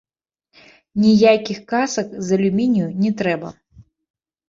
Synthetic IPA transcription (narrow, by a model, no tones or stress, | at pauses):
nʲijakʲixkasɐkzɐlʲumʲinʲjunʲɛt̪ɾɛbɐ̰